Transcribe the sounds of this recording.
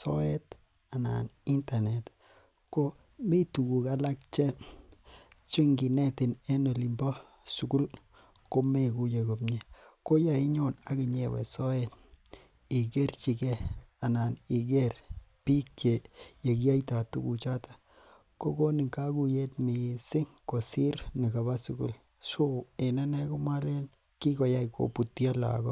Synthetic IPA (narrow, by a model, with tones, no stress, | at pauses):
sɔ˦ɛ˦t̚ | a˨na̰˨ni˦nta˨ne˨t | ko˦ | mi˦tu˨ku˨ka˨la˦k̚t͡ʃe˦ | t͡ʃi˦ŋɡi˨nɛ˦tɪ˨ne˦no˨li˨mbɔ˦ | su˨ku˦l | ko˦me˦˨ku˦je˨ko˨pɲe˦ko˦ja˨i˦ɲo˦˨na˦ki˨ɲe˨wɛ̰˨sɔ˦ɛt | i˨ke˦rt͡ʃi˨kɛ˦a˨na˨ni˨ɡ̬e˦rpi˦k̚t͡ʃe˨je˨ki˦a˦jta˨tṵ˦ku˨t͡ʃa˦ta˦ | ko˦ko˦nɪ˨ka˦ku˨je˦tmi˨sɪ˦ŋko˨si˦ɾni˨ka˨ba˦su˨kṵ˦l | so˦e˨na˦nɛ˦ko˦mwa˦le˦n | ki˦kɔ˨ja˦ikʰo̰˨pu˨tja˦la̰˨kɔ˦